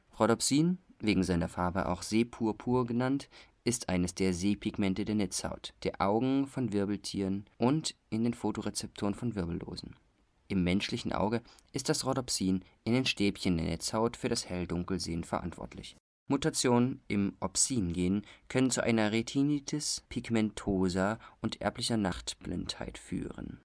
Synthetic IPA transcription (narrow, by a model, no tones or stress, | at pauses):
ʁɔdɔpsiːnveːɡŋ̩zaɪnɐfaɐbə̰ʔa̰ʊxz̥eːpʰuːɐpʰuːɐɡənantʔɪstʔa̰ɪnəsd̥eːɐzeːpʰɪɡmɛntədeːɐnɛt͡sha̰ʊtd̥eːɐʔaʊɡŋ̩fɔnvɪɐbl̩tʰḭːʁənʔʊntʔɪndeːnfoːtoʁet͡sɛp̚tʰoːʁənfɔnvɪɐbl̩lo̰ːzn̩ | ʔɪmːɛnʃlɪçn̩ʔa̰ʊɡəʔɪst̚d̥asʁɔdɔpsiːnʔɪndeːnʃteːpçəndeːɐnʔɛt͡shaʊtfyːɐɾashɛldʊŋkl̩zḛːənfɛɐʔa̰ntv̥ɔ̰ɐtʰlɪ̰ç | mutat͡sjoːnənʔɪmʔɔpsiːnɡeːənkʰœnənt͡suʔa̰ɪnɐʁetʰinitʰɪspʰiɡmɛntʰoːzaʔʊntʔɛ̰ɐplɪçɐnaχtb̥lɪ̰ntha̰ɪtfy̰ːʁə̰n